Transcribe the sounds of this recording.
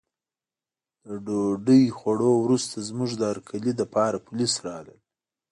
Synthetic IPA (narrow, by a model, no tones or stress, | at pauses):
d̪̥əɖoɖəjxaɽowɾust̪azmuʐd̪əaɾkʰalid̪apɑɾapʊlisɾɑ̰ləl